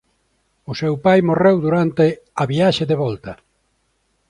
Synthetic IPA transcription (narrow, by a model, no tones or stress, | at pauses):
ʊsewpajmorewðuɾant̪e | ɐβiaʃeðeβɔlt̪ɐ